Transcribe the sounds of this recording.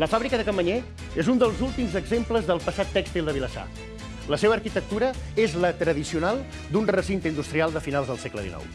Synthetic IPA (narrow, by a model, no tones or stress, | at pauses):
ləfaβɾikəðəkəməɲe | ezund̪əlˠzulˠt̪imzəɡzempləzðəlˠpəsat̪ːɛkst̪ilˠd̪əβiləsa̰ | ləseβəːɾkit̪ək̚t̪uɾəezlət̪ɾəðisiunalˠ | d̪unrəsint̪ind̪ust̪ɾialˠd̪əfinalˠzðəlˠsɛklə̰ðḭnɔ̰w